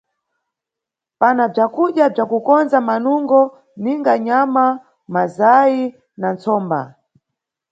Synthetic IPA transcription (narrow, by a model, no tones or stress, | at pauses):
panab͡ʐakuɗjab͡ʐakukɔnzamanuŋɡɔ | niŋɡaɲama | mazaji | nant͡sɔːmba̰